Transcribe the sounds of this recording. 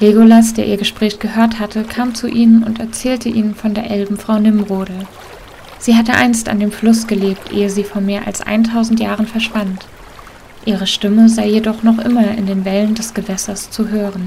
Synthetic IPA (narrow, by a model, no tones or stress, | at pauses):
leɡolasd̥eːɐʔiːɐɡəʃpʁ̥ɛːçɡ̥əɦøːɐthatʰəkʰaːmt͡suʔiːnənʊ̰ntɛɐt͡sɛːltʰəʔiːnənfɔndeːɐʔɛlbm̩fʁ̥aʊnɪmʁoːdl̩ | z̥iːɦatəʔa̰ɪnsta̰ndeːmflʊsɡ̥əleːp̚tʰʔḛːəziːfoːɐmeːɐʔa̰lsʔa̰ɪntʰaʊzn̩tjaːʁ̞ənfɛɐʃv̥ant | ʔiːʁ̞əʃtɪməzaɪjedɔχnɔχʔɪmɐʔɪ̰ndeːnvɛləndɛsɡ̥əvɛsɐst͡suɦøːʁən